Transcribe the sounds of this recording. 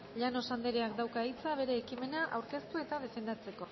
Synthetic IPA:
ʎano̞sand̪eɾeak̚d̪awkait͡saβ̞e̞ɾe̞ːkime̞naʔa̰wɾke̞st̪ue̞t̪að̞e̞fe̞nd̪at͡se̞ko̞

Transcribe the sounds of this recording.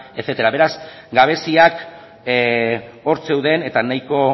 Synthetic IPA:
e̞θet̪eɾaβe̞ɾas | ɡaβ̞e̞siak | o̞ɾt͡se̞wðe̞ne̞t̪anajko̞

